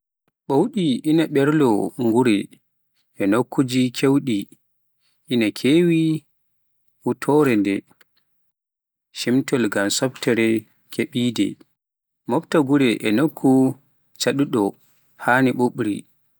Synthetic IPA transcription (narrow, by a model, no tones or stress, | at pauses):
ɓowɗiinaɓɛɾlɔŋɡuɾɛ | ʔɛnokʰːud͡ʒikʰewɗi | ʔinakʰeːwi | ʔutʰɔɾɛndɛ | ʃimtɔlɡamsɔptɛɾɛ | kʰeɓidɛ̰ | mɔptaɡuɾɛʔɛnokʰːu | t͡ʃaɗuɗɔ | haːniɓoɓɾḭ